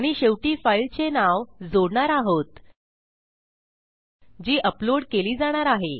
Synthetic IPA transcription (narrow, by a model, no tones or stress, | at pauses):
ɽ̃iɕeʋʈifailt͡senaʋd͡zoɽɳaɾaɦot̪ | d͡ʑiːʔəploɽkeliːd͡zaɽ̃aɾaɦe